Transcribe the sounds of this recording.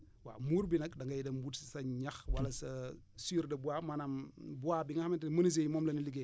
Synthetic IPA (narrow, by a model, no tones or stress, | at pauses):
wa̰muːɾbinɐkdɐŋɡɐjdɐmbutssɐɲɐxwɐlɐsɐ | siːɾdɐbuamanɐmbuabiŋɐhɐmɐntmɐnis̬ejmɔːmlɐniliɡe